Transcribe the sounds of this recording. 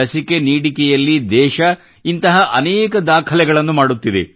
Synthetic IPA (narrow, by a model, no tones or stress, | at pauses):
ɐsike̞niːɽikɛjɐlːid̪ɛːʃɐ | int̪ɐɦɐʔɐnɛːkɐd̪aːkʰɐlɛɡɐɭɐnːumaːɽut̪ːid̪ḛ